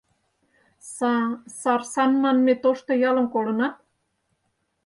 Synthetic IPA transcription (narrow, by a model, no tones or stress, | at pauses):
sɑrsɑnmɑnmet̪oʃt̪ŏjɑlə̆mkolə̆nɑt̪̚